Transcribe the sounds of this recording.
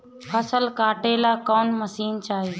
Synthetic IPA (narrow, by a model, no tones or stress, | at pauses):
pʰəsəlkaːʈeːlaːkoːnməsiːnt͡ʃaːɦeː